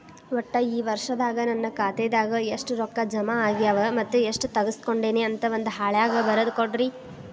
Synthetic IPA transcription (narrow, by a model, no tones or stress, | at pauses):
ʋɔʈːɐiːʋɐɾʂɐd̪aːɡɐnɐnːɐkaːt̪eːd̪aːɡɐeʂʈuɾɔkːɐd͡ʒɐmɐaːɡijɐʋɐmɐt̪ːueʂʈut̪ɐɡɐsko̞ɳɖe̞ːneɐnt̪ɐʋond̪uɦaːɭjaːɡɐbɐɾɐd̪ukoɽɾi